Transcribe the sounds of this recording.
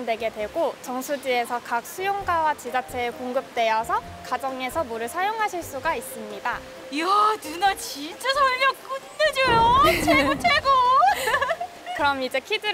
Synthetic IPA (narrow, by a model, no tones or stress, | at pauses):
ndwe̞ɡe̞dwe̞ɡot͡ɕʌŋsʰud͡ʑie̞sʰʌkak̚s͈ʰujoŋɡawat͡ɕid͡ʑat͡ɕʰe̞koŋɡɯp̚t͈we̞jʌsʰʌ | kad͡ʑʌŋe̞sʰʌmuɾɯɭsʰajoŋɦaɕʰiɭs͈uɡais͈ɯmɲida | janunat͡ɕint͡ɕ͈asʰʌɭmjʌkk͈utːed͡ʑojot͡ɕʰeɡot͡ɕʰeɡo | kɯɾʌmid͡ʑe̞kʰidɯ